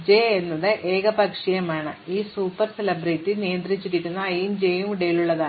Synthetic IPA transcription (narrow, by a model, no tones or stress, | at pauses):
d͡ʑeːenːɐðɨʔe̞ːɡɐpɐkʂijɐmaːɳɨiːsuːpːɐrselɐbrɐjtːinijɐnd̪rit͡ɕːiɾikʲːunːɐɐjimd͡ʑejumiɽɐjiluɭːɐðaːɨ